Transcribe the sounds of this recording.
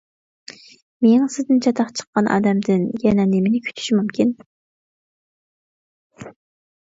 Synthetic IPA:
meŋsɪzd̪ɪnt͡ʃʰɑt̪ʰɑqt͡ʃʰə̥qːɑnʔɑ̰ːd̪ɛmd̪ɪnjɛnɛnemɪnɪkʲʰy̥t̪ʰy̥ʃimumkʲʰin

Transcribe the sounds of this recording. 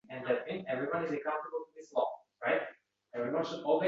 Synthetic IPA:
ɨ̃ndlɛt̚mĩnɛvɹiwʌ̃nizɨkãʊ̃tə˞bəl̩ˠtuðislɔ̰̃ | ɹaɪt̚ | ɛvɹiwʌ̃nʃɨdɔlˠwi

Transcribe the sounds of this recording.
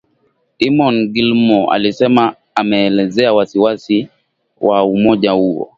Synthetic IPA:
imɔnɡilmɔa̰lisɛmaː | mɛːlɛzɛawasiwasi | wʔaumɔd͡ʒawuwɔ̰

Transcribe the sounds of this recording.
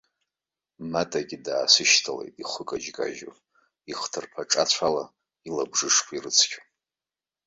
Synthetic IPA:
matʼaɡʲɪdaːsɨʃtʰalḛjtʼiχʷəkʼad͡ʒkʼa̰ʒo | iχtʰɨrpʰaʈ͡ʂʼat͡ɕʷʰala | ilabʐɨʂkʷʰirɨt͡sʰkʲʼa

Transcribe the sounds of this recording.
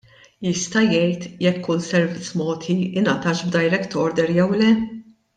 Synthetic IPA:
jɪst̪ɐjɛjt̪jɛkʰːʊlsɛɾvɪt̪t͡sːmɔːt̪ʰiʔɪnɐt̪ɐːʃbd̪ɐjɾɛkt̪ɔɾd̪ɛɾjɛwlɛ

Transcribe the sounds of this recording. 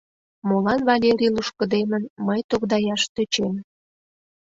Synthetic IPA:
molɑnvɑlʲeɾʲiluʃkə̆d̪emənməjt̪okd̪ɑjɑʃt̪øt͡ɕem

